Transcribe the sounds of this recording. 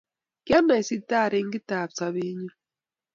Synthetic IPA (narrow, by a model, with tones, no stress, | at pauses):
kja˦na˨i˨si˦ta˦˨ɾe˨ŋ̩˦ɡi˦ta˨b̚sa˨βe˦ɲu˦